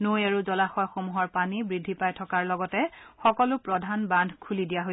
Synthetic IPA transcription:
nojaɹuzɔlaxɔjxomuɦɔɹpanibɹidʱːipajtʰɔkaɹlɔɡɔtɛxɔkɔlʊpɹɔdʱanbandʱkʰulidijaɦoj

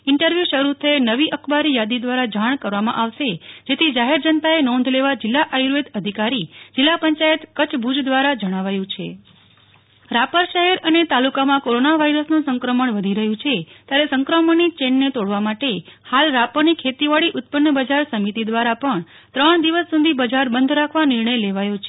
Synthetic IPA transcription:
ɪɳʈəɾʋjuʃəɾut̪ʰəenəʋiʔəkʰbaɾijad̪id̪ʋaɾad͡ʒaɳ̃kəɾʋamã̰ʔaʋʃed͡ʒet̪ʰid͡ʒaɦeɾd͡ʒənt̪aenɔ̃nd̪ʱleʋad͡ʒɪlːaʔajɾed̪əd̪ʱikaɾid͡ʒɪlːapəɲt͡ʃajət̪kət͡ʃbʱud͡ʒd̪ʋaɾad͡ʒəɽ̃aʋajũt͡ʃʰe | ɾapəɾʃəɦɛɾənet̪alukamãkoɾonaʋaiɾəsnũsə̃ŋkɾəməɳʋəd̪ʱiɾəɦũt͡ʃʰet̪jaɾesəŋkɾəməɳit͡ʃeɳɖnet̪oɽʋamaʈehalɾapənikʰet̪iʋaɭiʔʊt̪̚pənːəbəd͡ʒaɾsəmit̪id̪ʋaɾapəɳ | t̪ɾəɳd̪iʋəsːud̪ʱibəd͡ʒaɾbənd̪ʱɾakʰʋanɪɾɳəjleʋajot͡ʃʰe

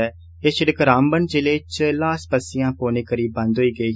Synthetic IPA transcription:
ɛː | eʃɪɽəkɾãːmbənd͡ʒeːleːt͡ʃlaːspəsːɪjãːpoːneːkəɾiːbə̃nd̪ɦoiːɡəiː

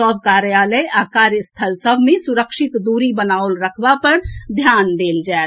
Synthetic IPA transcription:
əb̚ʱkaːɾjaːləjaːkaːɾjəst̪ʰəlsəbʱmẽsʊɾəkʃɪt̪d̪uːɾibənaːʊlɾəkʰbapəɾd̪ʱjaːnd̪eːld͡ʒae

